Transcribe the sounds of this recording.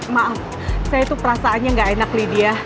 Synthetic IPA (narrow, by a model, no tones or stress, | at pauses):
maʔaf | sajait̪upəɾasaːnɲaŋɡaenaklidia